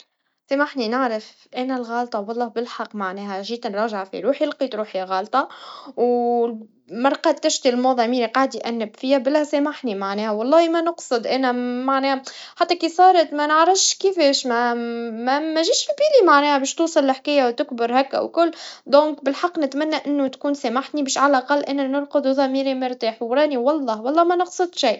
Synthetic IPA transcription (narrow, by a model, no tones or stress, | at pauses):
sæmaħninɪʕɾaf | ʔænælɣɑːlt̪ˤɑwɑlˤːɑːhbɪlħɑqːmaʕnɛːɦæʒiːt̪nɾˤɑːʒaʕfḭɾuːħjɪlqit̪ɾuːħjæɣɑːlt̪ˤɑw | mɑɾˤqɑːt̪̚t̪æʃt̪ilmɑðˤɑmiːɾiqɑʕd̪jʔænːɪbfiːhæbɪlæsæmaħnimaʕnɛːhæwɑlˤːɑːhimænɑqsˤɨd̪ʔænæmaʕnɛːħat̪ːækisˤɑːɾˤɑt̪mænəʕɾɑfʃkifɛːʃmæmæmæʒiːʃfibiːlimaʕnɛːhæbɛːʃt̪uːsˤɨlːɪħkæjːawt̪ɪkbəɾhækːʔæ̰wkʊlːd̪õːŋkbɪlħɑqːnɪt̪mænːæʔɪnːʊt̪kuːnsæmaħt̪nibɛːʃʕalælʔɑqɑlːʔænænʊɾqʊd̪uðˤɑmiːɾimʊɾt̪aːħwɾˤɑːniwɑlˤːɑːwɑlˤːɑːmænɑqsˤɨd̪ˤʃiː